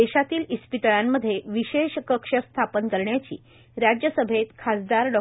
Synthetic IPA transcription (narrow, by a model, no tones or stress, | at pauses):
eɕat̪iːlispit̪əɭamːəd̪ʱːjeʋiɕeɕkəkʂəst̪ʰapənkəɾɳjat͡ɕḭː | ɾad͡ʑjəsəbʱet̪kʰasd̪aɾɖɔ